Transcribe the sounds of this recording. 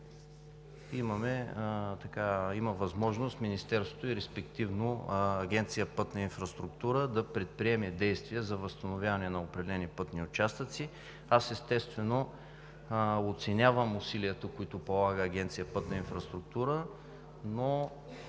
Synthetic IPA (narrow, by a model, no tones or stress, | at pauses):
imɐmɛt̪ɐkaiməvɐzmɔʒnost̪minist̪ɛɾst̪vo̥t̪oʊiɾɛspɛkt̪ivnoɐɡʲɛnt̪sijəpɤt̪nɐinfɾɐst̪ɾʊkt̪uɾəd̪ɐpɾɛt̪̚pɾiɛmɛd̪ɛjst̪vijɛzɐvɐst̪ɐnovʲjavɐnɛnɐopɾɛd̪ɛlɛnipɤt̪niʊt͡ʃast̪ət̪si | asɛst̪ɛst̪vɛno | ot̪sɛnʲavəmʊsiliət̪əkʊit̪ʊpolˠaɡəːɡʲɛnt̪sijəpɤt̪nɐinfɾɐst̪ɾʊk̚t̪uɾə | no